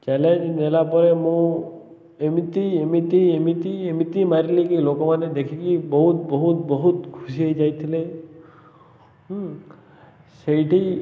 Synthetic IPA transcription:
t͡ʃɛlẽd͡ʒnelapɔɾemũ | emit̪iemit̪iemit̪iemit̪imaɾilikilokomaned̪ekʰikibɔɦut̪bəɦut̪bəɦut̪ɡʱusiəjd͡ʒajt̪ʰile | səiʈi

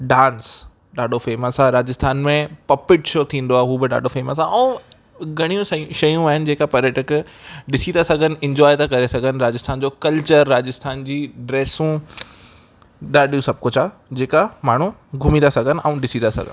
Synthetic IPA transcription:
ɖãːns | ɗaːɖʱofeːməsaɾaːd͡ʑɪst̪ʰaːnmẽpɐpɪʈʃot̪ʰĩːn̆d̪oaɦɦuːbɪɗa̰ːɖʱofeːməsaʔɛ̃ː | ɡʱɐɽ̃ijũsʃɐjũaːɦɪnɪ̆d͡ʑeːkapɐɾjəʈək | ɗɪsit̪asɐɡʱənɪ̆ɪ̃ɲd͡ʑɔːɪt̪akɐɾesɐɡʱənɪ̆ɾaːd͡ʑɪst̪ʰaːnd͡ʑoːkɐlt͡ɕəɾːaːd͡ʑɪst̪ʰaːnd͡ʑiːɖɾeːsũ | ɗaːɖijũsɐb̚kʊd͡ʑad͡ʑeːkamaːɳ̤ũɡʱʊmĩnd̪asɐɡʱənɪ̆ʔaũɗɪsid̪asɐ̰ɡʱə̰n

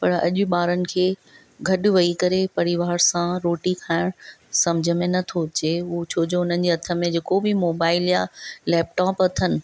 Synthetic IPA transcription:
pɐɾɐ̰ʄʊ̆ɓaːɾənɪ̆kʰeː | ɡʱɐɗ̆ʋɐikɐɾepɐɾɪʋaːɾsãɾoːʈikʰaːɪɽ̃sɐmd͡ʑʱə̆mẽnɐt̪ʰot͡ɕeut͡ɕʰoːd͡ʑoʊn̤ən̆d͡ʑeɐt̪ʰə̆mẽd͡ʑeːkobɪmoːbaːɪljalɛːpʈɔːpɐt̪ʰənɪ̆

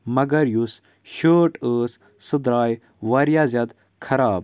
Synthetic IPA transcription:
mɐɡɐɾjus | ʃəːʈəːs | sɨd̪ɾaːj | ʋɐɾjaːzʲɐt̪ | kʰɐɾaːb

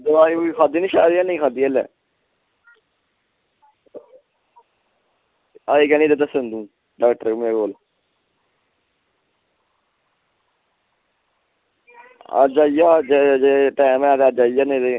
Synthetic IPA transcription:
d̪oaːioiːkʰaːd̪iːnĩːʃaːɾiaːnĩːkʰaːd̪iːəlɛ̰ː | aːiːkɛːniːd̪ed̪əsnd̪ũː | ɖaːkʈəɾmeːɡoːl | a̰d͡ʒaːijaːd͡ʒed͡ʒeʈɛːmɛ̃aːt̪eaːd͡ʒaːijaːned̪e

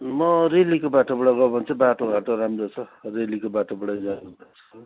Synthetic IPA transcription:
mʌɾelikobaʈobʌɽʌɡʌbʱʌnt͡sʰʌbaʈoɡʱaʈoɾamrot͡sʰʌrelikobaʈobʌɽajd͡zanubat͡sʰʌ

